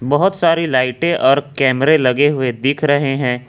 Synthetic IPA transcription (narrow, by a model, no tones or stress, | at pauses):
bɐɦʊt̪saːɾilaːɪʈẽʔɔːɾkɛːmɾẽlɐɡeɦʊed̪iːkʰɾɐɦeɦɛ̃ː